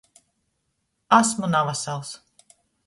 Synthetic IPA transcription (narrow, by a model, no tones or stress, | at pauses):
asmunavasalˠs